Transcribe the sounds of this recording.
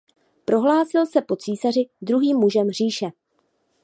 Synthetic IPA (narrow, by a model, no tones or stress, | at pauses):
pɾo̞ɦlaːsɪlsɛpo̞t͡siːsar̝ɪd̪ɾuɦiːmːuʒɛmɦr̝iːʃɛ